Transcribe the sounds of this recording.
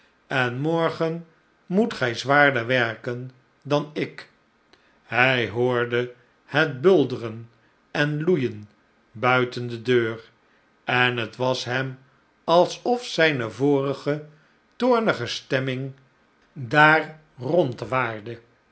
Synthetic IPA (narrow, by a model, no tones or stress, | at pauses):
ɛnmɔɹχən | mutχɛjzʋaːɹdəɹʋɛɹkən | dɑnɪk | hɛjɦoːɹdə | hɛt̚bɵlˠdərən | ɛnlujən | bœɥtəndədøːr | ʔɛnɦətʋɑsɦɛm | ɑlˠsɔfsɛjnəvoːrəχə | toːɹnəχəstɛmɪŋ | daːr | rɔntʋaːɹdə